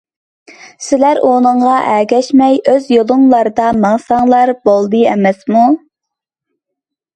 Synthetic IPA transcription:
sɪlæɾʔonɨŋʁɑʔɛɡʲɛʃmɛjøzjolˠʊŋlˠɑɾd̪ɑmɑŋsɑŋlˠɑɾbolˠd̪ɨɛ̰mɛsmu

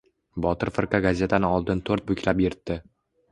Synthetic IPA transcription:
bɒt̪ʰɪɾfɪɾqaɡazʲe̞t̪ʰanɪɒlˠd̪ɪnt̪ʰoɾt̪̚bʊkʲʰlapjeɾt̪ːɪ

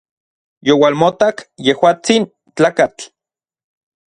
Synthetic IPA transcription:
jowalmot̪akjehwaːt͡sin | t͡ɬaːkat͡ɬ

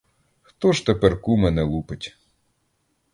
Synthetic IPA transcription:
xt̪ɔʒt̪epɛrkumɛnɛlˠupɪtʲ

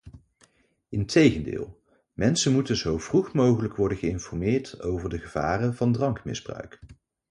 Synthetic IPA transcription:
ɪntʰejχəndɪ̰ːlˠ | mɛnsənmutənzowvruχmowχələkʋɔɹdəχəɪnfɔɹmɪːɹto̰wvəɹdəχəv̥a̰ːrənvɑndrɑŋkmɪ̰zbrœ̰ɥk

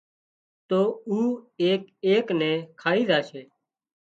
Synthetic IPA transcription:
t̪oːuːeːk̚eːknɛ̃ːkʰaːiːzaːʃʰeː

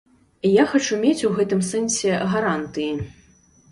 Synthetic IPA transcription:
jaxat͡ʂumʲet͡sʲuɣɛt̪ɨmsɛnsʲɛɣaɾant̪ɨji

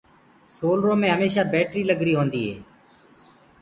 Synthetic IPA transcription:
soːlɾõːmẽːɦəmeːʃaːbeːʈɾiːləɡɾiːɦoːnd̪iːɦḛː

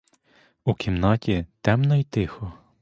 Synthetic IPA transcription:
ukʲʰimnɑtʲit̪ɛmnɔit̪ɪxɔ

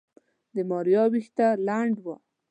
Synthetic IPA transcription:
d̪əmɑɾjɑwixt̪alaɳɖwa

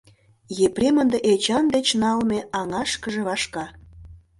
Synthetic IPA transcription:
jeprʲemənd̪eʔet͡ɕɑnd̪et͡ɕnɑlmeɑŋɑʃkə̆ʒeβɑʃkɑ

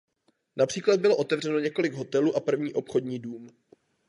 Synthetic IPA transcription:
napr̥iːklad̪̚bɪlo̞ʔo̞t̪ɛvr̝ɛno̞ɲɛko̞lɪɡɦo̞t̪ɛluːʔapr̩vɲiːʔo̞pxo̞dɲiːduːm

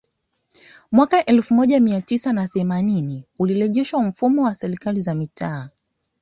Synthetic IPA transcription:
mwakaʔɛlfumɔʄamiatisanaθɛmaniniuliɾɛʄɛʃwam̩fumɔwasɛɾikalizamitʰaː

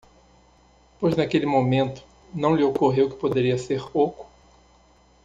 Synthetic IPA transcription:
pojznakelɪmõmẽnt̪ʊ̥ | nɐ̃w̃lɪokoɦewkɪ̥pod̪eɾiɐseɾokʊ̥

